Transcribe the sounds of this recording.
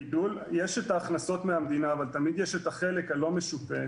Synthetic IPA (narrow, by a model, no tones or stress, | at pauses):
iduljeʃe̞taːχnaso̞tmeamd̪inaːvalt̪amid̪jeʃetaχe̞le̞khalo̞me̞ʃufe